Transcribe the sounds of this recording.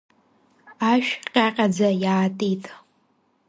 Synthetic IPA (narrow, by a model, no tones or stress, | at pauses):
aʃᶣqʲʼaqʲʼad͡zajaːtʼitʼ